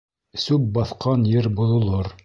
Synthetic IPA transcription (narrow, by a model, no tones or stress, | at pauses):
sʉp̚bɑθqɑnjɘɾbuðŏlˠoɾ